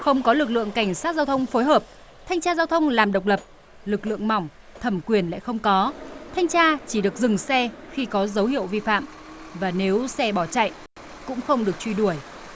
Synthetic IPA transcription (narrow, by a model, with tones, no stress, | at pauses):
xə˧wŋ͡mkɔ˨˦lɨ˨˩k̚lɨ̰˧˨əŋka˧˩jŋ̟saː˦˥t̚zaː˧wt̪ʰə˧wŋ͡mfoː˨˦jɦəː˨˩p̚ | t̪ʰa˧jŋ̟t͡ɕaː˧zaː˧wt̪ʰə˧wŋ͡mlaː˨˩mɗə˨˩wk͡p̚lə˨˩p̚ | lɨ˨˩k̚lɨ̰˧˨əŋma˨˧˩wŋ͡m | t̪ʰə˧˩mkwi˨˩ənla̰˧˨xə˧wŋ͡mkɔ˨˦t̪ʰa˧jŋ̟t͡ɕaː˧t͡ɕi˧˩ɗɨ˨˩ək̚zɨ˨˩ŋsɛ˧xi˧kɔ˨˦zə˨˦whḭ˧˨əwvi˧fa̰ː˧˨m | vaː˨˩ne˨˦wsɛ˧ɓɔ˧˩t͡ɕa̰˧˨j | kʊ̰˧˥ŋ͡mxə˧wŋ͡mɗɨ˨˩ək̚t͡ɕwi˧ɗu˧˩əj